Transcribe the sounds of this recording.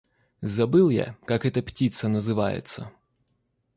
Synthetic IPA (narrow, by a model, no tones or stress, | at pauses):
zɐbɨlˠja̰kakɛt̪ɐptʲit̪sɐnɐzɨʋa̰jɪ̰t̪sɐ̰